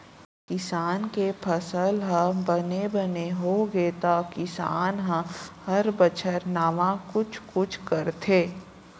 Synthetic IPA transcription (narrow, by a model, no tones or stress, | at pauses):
kɪsaːnkepʰəsəlɦə̃bənebəneɦoɡet̪akɪsaːnɦə̃hɐɾbət͡ʃʰəɾnaːʋãkʊt͡ʃʰkʊt͡ʃʰkəɾt̪ʰeː